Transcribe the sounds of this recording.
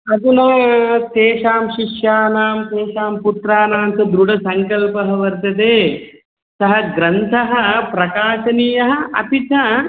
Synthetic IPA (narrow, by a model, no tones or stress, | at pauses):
ɐt̪unoːt̪eːʃaːmʃiʃjaːnaːmt̪eːʃaːmput̪ɾaːnaːmsɐd̪ɾuɽɐsɐŋkɐlpɐɦɐʋɐɾt̪ɐt̪eː | sɐɦɐɡɾɐnt̪ʰɐɦɐ̆pɾɐkaːʃɐniːjɐɦɐ̆ʔɐ̰pit̪ɐ